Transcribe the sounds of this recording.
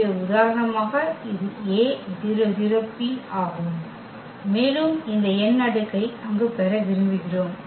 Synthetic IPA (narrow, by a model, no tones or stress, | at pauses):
ɐʊðaːɾɐɳɐmaːɣɐɪðɯeːðɪɾɯðɪɾɐpːiaːɣɯmː | eːlɯmɪnd̪ɐɛnːɐɽɯkːɐɪɐŋɡɯpɛɾɐʋɪɾɯmbɪɣɪroːm